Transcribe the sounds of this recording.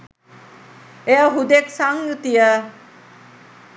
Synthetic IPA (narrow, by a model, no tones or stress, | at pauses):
eaɦud̪eksaŋjut̪ijə